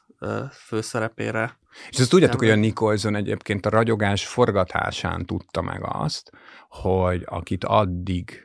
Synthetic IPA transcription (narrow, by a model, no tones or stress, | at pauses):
føːsɛɾɛpḛːɾɛ | eʃɛst̪uɟːaːt̪okhojɒniko̞lzonɛɟḛːpkeːnt̪ɒɾɒɟo̞ɡaːʃfo̞rɡɒt̪ʰa̰ːʃa̰ːnt̪ut̪ːɒmʔɛ̰ɡɒ̰st̪ | ho̞ɟɒkit̪ʰɒd̪ːiɡ